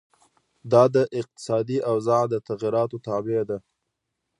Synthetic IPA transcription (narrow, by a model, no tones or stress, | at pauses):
d̪ɑd̪əʔɪq̚t̪ɪ̥sɑd̪iʔawzɑʕd̪ət̪aɣiɾɑt̪ot̪ɑbed̪a